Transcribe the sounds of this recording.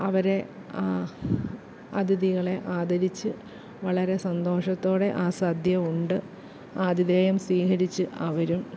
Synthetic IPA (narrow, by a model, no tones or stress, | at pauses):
ɐʋɐɾe̞ | aː | ɐ̰d̪iðiɣɐɭe̞ʔaːd̪ɐɾit͡ɕːɨ | ʋɐɭɐɾe̞sɐnd̪o̞ːʂɐt̪ːo̞ːɽe̞ʔaːsaːd̪ʱjɐuɳɖɨ | aːd̪ʱiðeːjɐmswiːhɐɾit͡ɕːɨʔɐʋɐɾum